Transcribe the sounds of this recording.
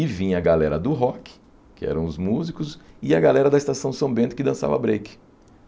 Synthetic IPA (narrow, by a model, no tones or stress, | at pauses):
ivĩɲɐɡalɛɾɐd̪ʊɦɔkɪ̥ | kɪɛ̰ɾɐ̃w̃ʊzmuzikʊsɪɐɡalɛɾɐd̪ɐɪst̪asɐ̃w̃sɐ̃bẽnt̪ʊkɪd̪ɐ̃sa̰vɐ̰bɾejkɪ̥